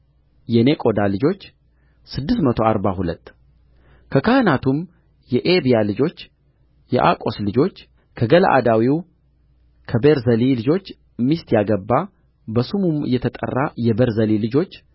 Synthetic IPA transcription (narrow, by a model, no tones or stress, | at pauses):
jɛnekʼo̞d̪alɨd͡ʒo̞t͡ʃː | sɨd̪ːɨsmət̪ʰo̞aɾbahulət̪ː | kʰəkʰahnat̪ʰum | jɛʔebijalɨd͡ʒo̞t͡ʃː | jɛ̰ʔa̰kʼo̞slɨd͡ʒo̞t͡ʃː | kʰəɡələ̰ʔa̰d̪awiw | kʰəbeɾzəlilɨd͡ʒo̞t͡ʃː | ɨmːist̪ʰjaɡəbːa | bəsumumɨ̰jɛt̪ʰət̪ʼə̰rːajɛbəɾzəlilɨd͡ʒo̞t͡ʃː